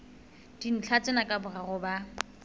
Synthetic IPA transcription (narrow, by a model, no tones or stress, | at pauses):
d̥in̩t͡ɬʰat͡sʼɪnakʼabʊɣaɣʊba